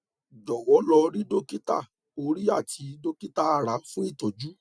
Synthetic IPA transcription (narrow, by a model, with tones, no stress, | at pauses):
d͡ʒɔ˨wɔ˨˦lɔ˧ɾi˦do˦ki˦ta̰˦˨ | o˧ɾi˦a˦˨tʰi˧do˦ki˦ta˦a˨ɾa˨˦fũ˦i˦˨tɔ˨d͡ʒu˨˦